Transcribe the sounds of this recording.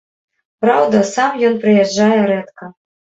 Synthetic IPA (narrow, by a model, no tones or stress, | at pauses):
pɾawd̪ɐsamjɔnpɾɨjɛdd͡ʐːajɛɾɛt̪kɐ